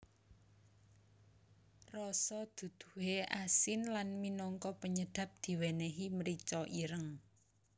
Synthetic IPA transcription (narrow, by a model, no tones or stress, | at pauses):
rɔsɔd̪̥ṳd̪̥u̥̤ɦeʔasɪnlanminɔŋkɔpəɲəɖ̪̥ä̤p̚d̪̥i̤weneɦiməɾit͡ʃɔʔiɾəŋ